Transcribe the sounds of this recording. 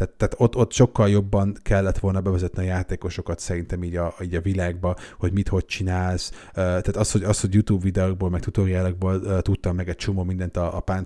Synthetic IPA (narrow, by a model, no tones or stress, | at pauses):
t̪aːt̪ːaːt̪o̞t̪ːo̞t̪ːʃo̞kːɒljo̞bːɒnkɛlːɛt̪ʋo̞lnɒbɛvɛzɛt̪niɒjaːt̪eːko̞ʃo̞kɒt̪sɛɾint̪ɛmiːɟɒiːɟɒvilaːɡ̚bɒho̞ɟmit̪ho̞c̚t͡ʃinaːls | øːt̪aːt̪ɒsho̞ɟɒsho̞ɟjut̪uːbvid̪ɛoɡ̚bolmɛk̚t̪ut̪o̞ɾijaːlɒɡ̚boːløt̪ut̪ːɒmːɛɡɛc̚t͡ʃo̞moːmind̪ɛnt̪ɒːpaːn